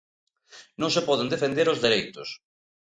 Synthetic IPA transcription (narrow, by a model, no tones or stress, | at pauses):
nõŋsepɔð̞end̪efend̪eɾozðeɾejt̪ʊ̰s